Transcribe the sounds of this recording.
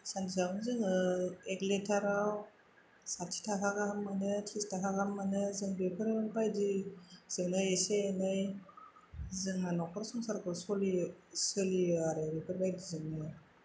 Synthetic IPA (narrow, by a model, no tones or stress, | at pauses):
saniz̬abnzɯŋɯekletʰaɾaw | satʰi̥tʰakʰakahamːanɯtʰistʰakakamːanɯzɯŋbepʰɯɾbajdiz̥ɯŋnaeseenɯj | zɯŋanɔkʰɔɾsɔŋsaɾkɔsɔlisɯliaɾebepʰɯɾbajdizɯŋnɯ